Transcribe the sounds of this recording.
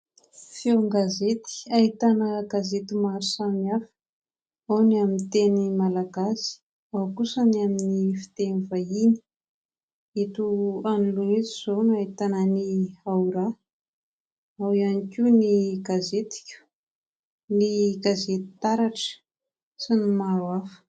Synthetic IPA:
fieŋɡazet̪i̥aɦit̪anəɡazet̪umaɾisamiafə̥ | awnamint̪enimalaɡasi̥ | awkusənaminifi̥t̪enivaini̥ | et̪uanuluniziz̥onait̪anəniauɾa | awianikʲuniɡazet̪i̥kʲu̥ | niɡazet̪i̥t̪aɾaʈ͡ʂə̥ | sinimaɾwafə̥

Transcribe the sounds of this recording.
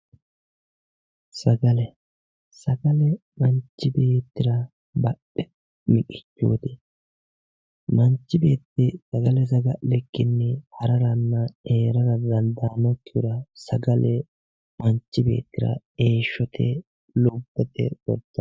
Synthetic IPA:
sɐɡɐlɛ | sɐɡɐlɛmɐɲt͡ʃːɪbe̞ːt̪ːɪɾɐ | bɐɗɛ | mɪkʼɪ̥t͡ʃːṵːt̪ɪ | mɐnt͡ʃːɪbe̞ːt̪ːɪsɐɡɐlɛsɐɡɐʔlɛkːɪnːɛhɐɾɐɾɐnːɐeːɾɐɾɐd̪ɐnd̪aːnɔkːɪɾɐsɐɡɐlʔɛ | mɐnt͡ʃːɪbe̞̰ːt̪ːɪɾɐ̰ | e̞ːʃːɔt̪ʰɛ̰ | lʊbːɛt̪ɛ̰sɔ̰d̪ːɐ

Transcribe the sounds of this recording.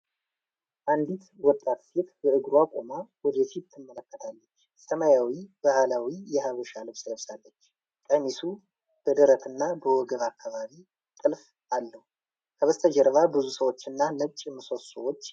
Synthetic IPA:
ʔand̪it̪wɔt̪ʼːat̪sit̪bəʔɨɡɾuakʼomawɔd̪ɛsit̪ːɨmːələkːət̪ʰalːət͡ʃː | səmajawibahlawijɛhaβəʃalɨβsləβsalːət͡ʃː | k̪ʼamisu | b̥əd̪əɾət̪ʰɨnːabəwɔɡəβakʰːaβaβi | t̪ʼɨlf | ʔalːəhu | kʰəβəst̪ʰəd͡ʒɛɾβabɨzusəwo̞t͡ʃːɨnːanət͡ʃʼmɨso̞t̪səwot͡ʃː

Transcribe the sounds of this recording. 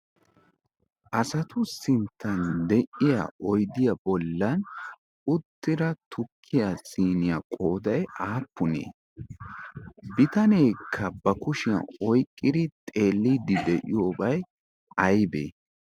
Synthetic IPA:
ʔɐsɐt̪ʊsɪnt̪ʰːɐnd̪ɛʔɪja̰ʔɔjd̪ɪjɐbɔlːɐn | ʊt̪ːɪɾɐt̪ʰʊkʰːɪjasiːnɪjakʼo̞ːd̪ɐjaːpːʊnḛː | bɪt̪ɐne̞ːkʰːɐbɐkʊʃɪjɐ̰ɔjkʼːɪd̪ɪt̪ʼe̞ːlːid̪ɪd̪ɛʔɪjo̞ːbɐj | ʔɐjbḛː

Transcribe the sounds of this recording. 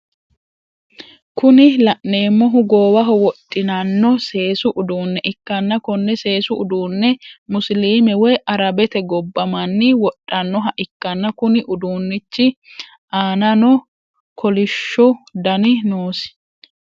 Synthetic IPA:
kʊnɪlɐʔne̞ːmːɔɦʊɡoːwɐɦɔwɔtʼːɪnɐnːɔse̞ːsʊʔʊd̪uːnːɛʔɪkːɐnːɐkɔnːɛse̞ːsʊʊd̪uːnːɛmʊsliːmɛwɔjʔɐɾɐbɛt̪ɛɡɔbːɐmɐnːɪwɔtʔʼːɐnːɔɦɐʔɪkːɐnːɐkʊnɪʔʊd̪uːnːɪt͡ʃːɪ | ʔaːnɐnɔ | kʰɔlɪʃːɔd̪ɐnɪnoːsɪ̥

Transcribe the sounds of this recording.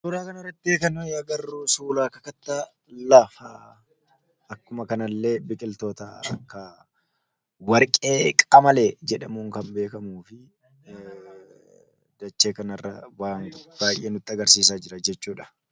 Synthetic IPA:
suːɾaːkɐnɐrɐt̪ːeːkɐnojɐɡɐrːusuːlaːkɐkɐt̪ːa | lɐfa | ɐkːʊmɐkɐnɐlːe̞ːbɪkʼɪlt̪o̞ːt̪ɐɐ̰kːɐ | wɐɾkʼe̞ːkʼɐmɐleːd͡ʒɛᶑɐmuːŋkɐmbe̞ːkɐmuːfɪ | d̪̥ɐt͡ʃːeːkɐnɐrːɐ̰waːŋb̥aːjʔːeːnʊt̪ːɪɐɡɐɾsiːsaːd͡ʒɪɾɐd͡ʒɛt͡ʃːuːᶑɐ̥

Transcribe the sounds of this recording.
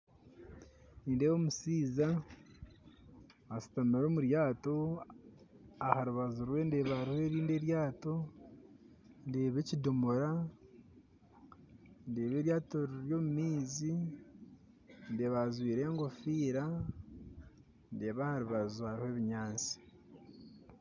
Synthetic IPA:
niːndewo̞ːmusiːza | su̥tamiɾo̞ːmuɾjaːto̞ | ahaɾuβazuɾwe̞nde̞ːβahaɾihe̞ːɾiːnde̞ːɾjaːto̞ | nde̞ːβe̞ːcidomoɾa | ndeːβe̞ːɾjaːtoɾɾjo̞ːmumiːzi | nde̞ːβazwiːɾe̞ːŋɡofiːɾa | ndeːβahaɾuβazuhaɾihe̞ːβiɲaːnt͡si̥

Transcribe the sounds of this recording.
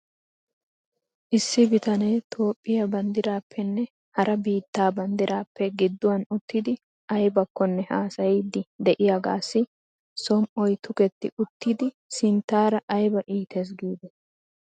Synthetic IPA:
ʔɪsːɪbɪt̪ɐnet̪ʰo̞ːpʼːɪjɐbɐnd̪ɪɾaːpʰːɛnːɛ | hɐɾʔɐbiːt̪ːaːbɐnd̪ɪɾaːpːɛɡɪd̪ːʊwɐnʊt̪ːɪd̪ɪ | ɐjbɐkːɔnːɛhaːsɐjiːd̪ːɪd̪ɛʔɪjaɡaːsːɪ | sɔmʔɔjt̪ʊkɛt̪ːɪ̰ʔʊt̪ːid̪ɪ | sɪnt̪ːaːɾɐʔɐjbɐʔiːt̪ʰes̬ɡiːd̪ɛ

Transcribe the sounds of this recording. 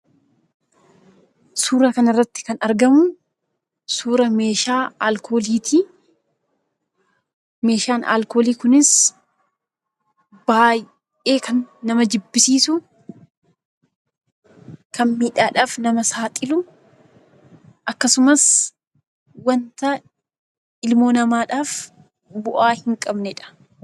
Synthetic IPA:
suːɾɐkɐnɐrːɐt̪ːɪ̥kɐnɐɾɡɐmʊ | suːɾɐme̞ːʃaːaːlkʰoːliːt̪ʰi | me̞ːʃaːnʔa̰ːlko̞ːliːkʊnɪs | baːj | ʔeːkʰɐnːɐmɐd͡ʒɪbːɪsiːsʊ | kɐnmiːᶑaːᶑaːfnɐmɐsaːt̪ʼɪlʊ | ʔɐkːɐsʊmɐs | wɐnt̪ɐ | ɪlmo̞ːnɐmaːᶑaːf | bʊʔaːhɪŋkʼɐbnɛᶑɐ̥

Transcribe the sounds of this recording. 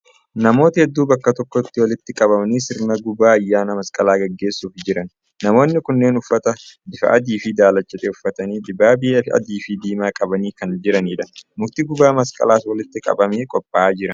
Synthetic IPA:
nɐmo̞ːt̪ɐhɛd̪ːuːbɐkːɐt̪ɔkːɔt̪ːɪwɐlɪt̪ːɪkʼɐβɐmniːsɪɾnɐɡʊbaːɐjːaːnɐmɐskʼɐlaːɡɐɡːe̞ːsːuːfd͡ʒɪɾɐnː | ɐmo̞ːnːɪkʊnːe̞ːnʊfːɐt̪ɐd̪ɪfɐ̰ʔɐd̪iːfɪd̪aːlɐt͡ʃːɛt̪ʼeːʊfːɐt̪ɐniːd̪ɪbːaːbɪʔeːɐ̰d̪iːfɪd̪iːmaːkʼɐbɐniːkɐnd͡ʒɪɾɐniːᶑɐmʊɾt̪iːɡʊbaːmɐskʼɐ̰laːswɐlɪt̪ːɪkʼɐ̰bɐmeːkʼɔpʼːaːd͡ʒɪɾɐ

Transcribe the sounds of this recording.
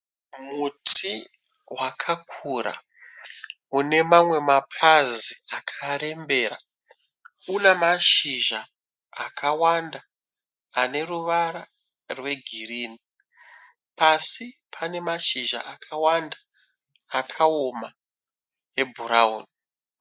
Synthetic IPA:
mutʰi | wakʰakʰuɾa̰ | une̞mamwe̞mapʰaziakʰaɾe̞mbe̞ːɾa | unemaʃiʒaː | kʰawandaː | ne̞ruʋaɾa | rwe̞ɡʱiriːni | pʰasipʰane̞maʃiʒa̰ʔakʰawandḁː | kʰaoma | ebʱuɾao̰ːni

